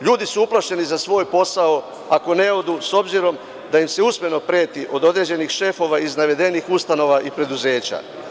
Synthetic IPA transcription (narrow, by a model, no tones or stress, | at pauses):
ʎuːd̪isuuplˠaʃe̞nizasʋo̞ːjpo̞sao | ako̞ne̞o̞d̪uso̞bziɾo̞m | d̪ajimse̞usme̞no̞pɾe̞ːt̪iʔo̞d̪o̞d̪ɾe̞ːd͡ʑe̞nixʃe̞fo̞ʋaiznaʋe̞d̪e̞nixust̪ano̞ʋaʔipɾe̞d̪uze̞ːt͡ɕa̰